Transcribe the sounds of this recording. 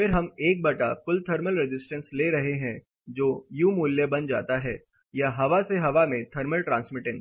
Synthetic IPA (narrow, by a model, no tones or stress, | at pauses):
fɪɾɦɐmeːk̚bɐʈafʊlt̪ʰɐɾməlɾɪd͡ʒɪsʈə̃nsleːɾɐɦeɦɛ̃ | d͡ʒoːjuːmuːljəbɐnd͡ʒa̰ːt̪aɦɛː | jaɦɐʋaseɦɐʋamẽt̪ʰɐɾməlʈɾãːnsmɪʈẽːɳʈ